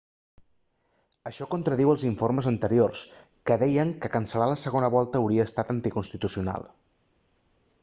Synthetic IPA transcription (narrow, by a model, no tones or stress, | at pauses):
əʃɔkont̪ɾəðiwəlˠziɱforməzənt̪əɾiors | kəðɛjəŋkəkənsəlaləsəɣ̞onəβ̞ɔlˠt̪əːwɾiəːst̪at̪ənt̪ikunst̪it̪usiuna̰lˠ